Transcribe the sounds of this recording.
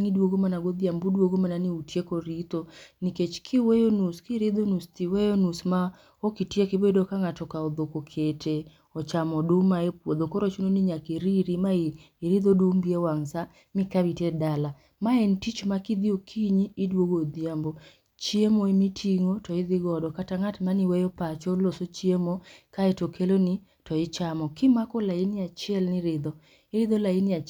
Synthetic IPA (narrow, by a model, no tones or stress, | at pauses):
ŋidwoɡomanaɡoðjambudwoɡomananɪutjekɔɾit̪oniket͡ʃkʰɪwejonuskɪɾiðonust̪iwejonusma | okitiekɪbedokaŋatɔkaɔd̪okokʰetʰe | ɔt͡ʃamɔdʊmaepwod̪ɔkɔɾɔt͡ʃunoniɲakiɾiɾimaiː | ɾiðodumbiewaŋsa | mɪkabitɛdala | maɛntit͡ʃmakid̪iokʰiɲiːdwoɡod̪jambo | t͡ʃjemoemitʰiŋotɔɪðɪɡɔdɔkataŋatmanɪwɛjɔpat͡ʃɔlosot͡ʃjemokaɛtokʰelonɪ | tɔɪt͡ʃamɔkɪmakɔlainɪat͡ʃɪɛlnɪɾɪd̪ɔ | ɪɾɪd̪olainɪa